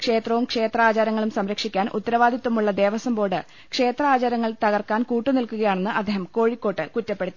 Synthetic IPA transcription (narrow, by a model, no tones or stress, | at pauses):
kʂe̞ːt̪rɐʋumkʂe̞ːt̪rɐaːt͡ɕaːɾɐŋːɐɭumsɐmɾɐkʂikʲːaːnʔṵt̪ːɐɾɐʋaːd̪ʱit̪ːʋɐmuɭːɐd̪e̞ːʋɐsɐmbo̞ːɽɨ | kʂe̞ːt̪rɐaːt͡ɕaːɾɐŋːɐɭt̪ɐɣɐrkːaːnkuːʈːɨnilkuɣɐjaːɳe̞nːɨʔɐ̰d̪ːeːɦɐmko̞ːɻikʲːo̞ːʈːɨkutːɐpːeɽut̪ːi